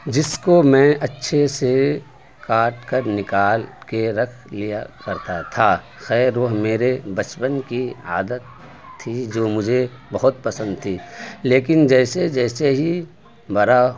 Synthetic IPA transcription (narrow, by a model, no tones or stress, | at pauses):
d͡ʒɪskomɛ̃ːʔɐtːʃʰese | kaːʈkəɾnɪkaːlkeɾɐkʰlijakɐɾt̪at̪ʰa | xɛːɾʋɐɦmeːɾebɐt͡ʃpənkia̰ːd̪ət̪ʰː | id͡ʒoːmʊd͡ʒʱe | bɐɦʊt̪̚pɐsə̃nd̪̚t̪ʰiːleːkɪnd͡ʒɛːsed͡ʒɛːseɦi | bɐɾa